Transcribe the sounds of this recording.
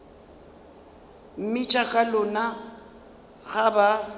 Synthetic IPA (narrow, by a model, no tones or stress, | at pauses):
m̩mɪt͡ʃʼakʼalʊna | ɣaba